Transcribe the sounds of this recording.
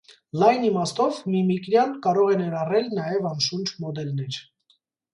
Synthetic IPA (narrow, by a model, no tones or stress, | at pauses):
lɑjnimɑst̪ɔvmimikɾjɑnkɑɾɔʁɛnɛɾɑrɛlnɑjɛvɑnʃund͡ʒʰmɔd̪ɛlnɛɾ